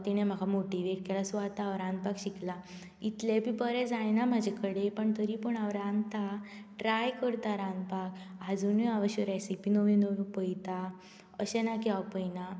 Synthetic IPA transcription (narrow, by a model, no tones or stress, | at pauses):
t̪iñẽm̤akamoʈiʋeʈ̚kɛlasʋat̪aʋɾãnd̪̚pakɕikla | it̪lebibəɾɛd͡zajnam̤ad͡ʑʱekəɽepəɳt̪əɾipəɳaʋɾant̪aʈɾajkəɾt̪aɾãnd̪pakad͡zuniaʋəɕəɾajsipinoʋĩnoʋĩpəjt̪a | əɕɛnakiawpəjna